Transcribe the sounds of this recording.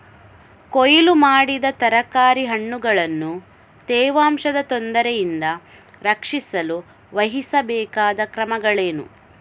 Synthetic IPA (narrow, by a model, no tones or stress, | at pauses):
kojilumaːɽid̪ɐt̪ɐɾɐkaːɾiɦɐɳːuɡɐɭɐnːu | t̪ɛːʋaːmʂɐd̪ɐt̪ond̪ɐɾɛjind̪ɐ | ɾɐkʂisɐlu | ʋɐɦisɐbɛːkaːd̪ɐkɾɐmɐɡɐɭeːnṵ